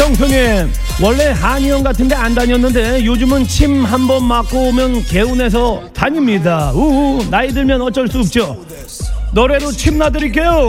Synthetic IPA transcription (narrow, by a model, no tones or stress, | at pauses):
ʌŋsʰoŋe | wʌɭːe̞haɲiʌnɡatʰɯnde̞andaɲʌnːɯnde̞jod͡ʑumɯnt͡ɕʰimɦambʌnmak͈omjʌnke̞une̞s̬ʰʌtaɲimɲidaunaidɯɭmjʌnʌt͡ɕ͈ʌɭs͈uːp̚t͡ɕ͈o | nʌɾe̞ɾot͡ɕʰimnadɯɾik̬͈e̞jo